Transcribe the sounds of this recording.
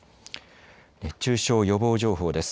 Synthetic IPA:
et͡ɕɨːɕo̞ːjo̞bo̞ːʑo̞ːɦo̞ːd̪e̞sɨ̥

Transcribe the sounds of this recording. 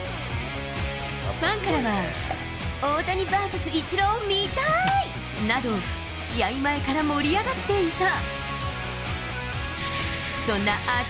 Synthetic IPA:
ɸãŋkaɾaɡa | oːt̪aɲ̟ibasasɨit͡ɕiɾomʲit̪ai | nad̪o̞ | ɕiaimae̞kaɾamo̞ɾʲijaɡat̪ːe̞it̪a | sõ̞nːaʔa

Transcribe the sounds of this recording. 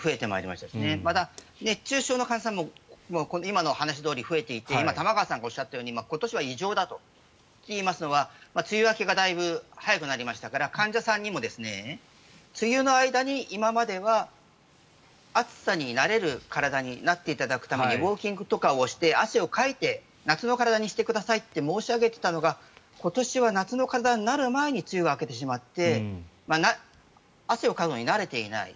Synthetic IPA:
ɸɯ̟e̞t̪e̞ma̰eɾʲḭmaɕi̥t̪ad̪esnemad̪ane̞t͡ɕɨːɕo̞ːno̞kãɲd͡ʑasãmːo̞mokonoimano̞hanaɕ̬id̪o̞ːɾʲiɸɯ̟e̞t̪e̞it̪e̞imat̪amaɡaːsãŋɡao̞ɕːat̪ːajo̞ːɲ̟imako̞t̪o̞ɕiβaiʑo̞ːd̪at̪o̞ | t̪ʲːeimasɨno̞βamat͡sɨjɯβake̞ɡad̪aibɯ̟hajakɯ̟naɾʲimaɕi̥t̪akaɾakãɲ̟d͡ʑasãɲ̟ːimo̞d̪e̞sɨne̞ | t͡sɨjʲɯːno̞aid̪aɲ̟iːimamad̪e̞βa | at͡sɨ̥saɲ̟inaɾe̞ɾɯ̟kaɾad̪aɲ̟inat̪ːe̞it̪ad̪akɯ̟̥t̪ame̞ɲibo̞ːkʲĩŋɡɯ̟t̪o̞kaoɕi̥t̪e̞aɕio̞kait̪e̞ | nat͡sɨno̞kaɾad̪aɲ̟iɕi̥t̪e̞kɯ̟d̪asait̪ːe̞mo̞ːɕiaɡe̞t̪e̞̥t̪ano̞ɡa | ko̞t̪o̞ɕiβanat͡sɨno̞kaɾad̪aɲinaɾɯ̟mae̞ɲ̟it͡sɨɯɡaːke̞t̪e̞ɕ̬imat̪ːe̞ | mana | aɕio̞kazo̞ɲ̟inaɾe̞t̪e̞ḭna̰ḭ

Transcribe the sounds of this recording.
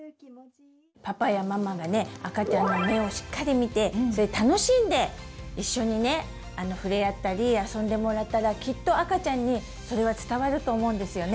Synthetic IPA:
papajamamaɡane̞akat͡ɕãnːo̞me̞o̞ɕi̥kːaɾʲimʲit̪e̞so̞ɾet̪ano̞ɕĩnd̪e̞iɕːo̞ɲ̟ine̞ | ano̞ɸɯ̟ɾe̞at̪ːaɾʲiasõ̞nd̪e̞mo̞ɾat̪ːaɾakʲit̪ːo̞akat͡ɕãɲ̟ːi | so̞ɾe̞βat͡sɨ̥t̪aβaɾɯ̟t̪o̞ːmo̞ɯ̃nd̪e̞sɨjo̞ne

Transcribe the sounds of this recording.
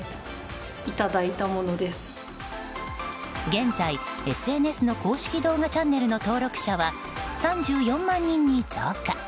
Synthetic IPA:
it̪ad̪ait̪amo̞no̞d̪e̞sɨ̥ | ɡẽ̞nd͡zaie̞sɨe̞ne̞sɨno̞ko̞ːɕi̥kʲid̪o̞ːɡat͡ɕãnːe̞ɾɯ̟no̞t̪o̞ːɾo̞kɯ̟̥ɕaβa | sãɲ̟d͡ʑɨːjõ̞mːãɲ̟ːĩɲ̟ːid͡zɨaka

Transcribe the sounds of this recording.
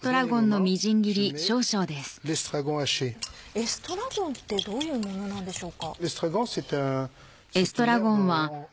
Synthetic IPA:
t̪o̞ɾaɡõ̞nːo̞mʲiʑĩŋɡʲiɾʲiɕo̞ːɕo̞ːd̪e̞sɨ̥lest̪ʁaɡɔ̃aʃeesɨ̥t̪o̞ɾaɡõnt̪e̞d̪oːjɯ̟ːmõnonãnd̪e̞ɕo̞ːkalest̪ʁaɡɔ̃set̪ɛ̃ | esɨ̥t̪o̞ɾaɡõ̞ɰ̃βa

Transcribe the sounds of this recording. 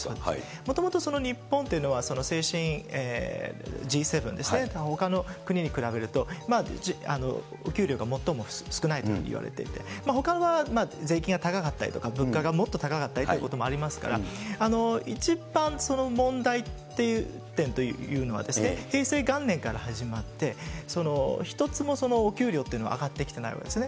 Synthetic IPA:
sod̪mo̞t̪o̞mo̞t̪o̞so̞no̞ɲ̟ipːõ̞nt̪e̞iɯ̟no̞βaso̞no̞se̞ːɕĩɰeː | d͡ʑiːse̞bɯ̟̃nd̪e̞sɨnet̪ho̞kano̞kɯ̟ɲ̟iɲ̟ikɯ̟ɾabe̞ɾɯ̟t̪o̞mad͡ʑia̰no̞̰ | okʲɨːɾʲjo̞ːɡamo̞t̪ːo̞mo̞sɨ̥kɯ̟nait̪okɯ̰ɲʲḭḭβa̰ɾḛt̪e̞̰ḭt̪e̞maho̞kaβamaze̞ːkʲĩŋɡat̪akakat̪ːaɾʲʔḭt̪o̞kabɯ̟̃ŋkaɡamo̞t̪ːo̞t̪akakat̪ːaɾit̪oi̟kot̪o̞mo̞aɾʲimasɨ̥ka̰ɾa̰ano̞it͡ɕibãnso̞no̞mõ̞nd̪ait̪ːe̞jɯ | t̪ẽ̞nt̪o̞j̰jɯ̟ːno̞βa̰d̪e̞sɨɨnehe̞ːse̞ːɡãnːẽ̞ŋkaɾahaʑimat̪ːe̞so̞no̞̰çi̥t̪o̞t͡sɨmo̞so̞no̞ːkʲɨːɾʲjo̞ːt̪eɯ̟no̞a̰ɡat̪ːe̞kʲi̥t̪e̞na̰ḭβa̰kd̪esɨne̞

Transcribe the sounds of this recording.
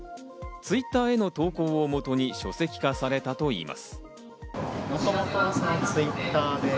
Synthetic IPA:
t͡sɨit̪ːaːe̞no̞t̪o̞ːko̞ːomo̞t̪o̞ɲ̟iɕo̞se̞kʲi̥kasaɾe̞t̪at̪o̞ḭːmʔa̰sɨ̥ | mosomot̪osãnt͡sɨit̪ːaːd̪e

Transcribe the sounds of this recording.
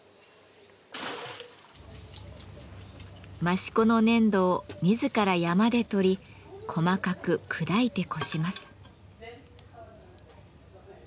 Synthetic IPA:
maɕi̥ko̞no̞nẽ̞nd̪o̞ːmʲizɨkaɾajamad̪e̞t̪o̞ɾʲi | kʰo̞makakɯ̟kʰɯ̟d̪ait̪e̞kʰo̞ɕimasɨ̥

